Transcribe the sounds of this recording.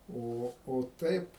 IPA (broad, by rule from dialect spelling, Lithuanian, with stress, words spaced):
ˈoː oː ˈtɐɪp